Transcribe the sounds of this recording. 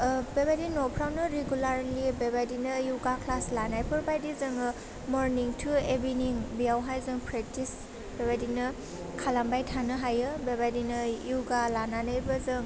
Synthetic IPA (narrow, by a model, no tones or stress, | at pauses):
bebadinɔpʰɾawnɯɾeɡulaɾlibebajdinɯjuɡakʰlaslanajpʰɯɾbajdizɯŋɯ | mɔɾniŋtʰuebiniŋbijawɦajzɯŋpʰɾek̚tis | bebadinɯ | kʰalambajtʰanɯɦajɯbebajdinɯjuɡalananajbɯzɯŋ